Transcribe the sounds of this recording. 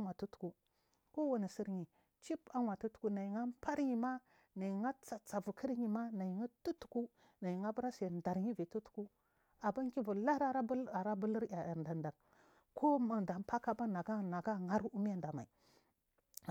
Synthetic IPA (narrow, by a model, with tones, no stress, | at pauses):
a˦ŋa˨tu˦tu̥˨ku˦ | ko˦wa˨ni˨si˦ɾɲi˨ | t͡ʃi˦pa˦ŋwa˨tu˦tu̥˨ku˦na˨i˨ŋa˦mpa˦ɾɲi˨ma˦ | na˨i˨ŋa˦t͡sa˨t͡sa˨vu˨kʰə˦ɾɲi˨ma˦na˨ji˨ŋa˦tu˦tu̥˨ku˦ | na˨ji˨ŋa˦bu˦ɾa˦se˨nda˨ɾɲi˦vi˨tu˦tu̥˦ku˦ | a˨ba˦ŋ˦ki˦vu˨la˦ɾa˦ɾa˦a˨ɾa˦bu˦li˦ɾja˨ja˨ɾnda˨nda˨k | kʰo˦ma˨da˨m˨pa˦ka˦ba˦na˨ɡa˦na˨ɡa˦ŋa˦ɾu˦mi˦ja˦nda˨ma˨i˨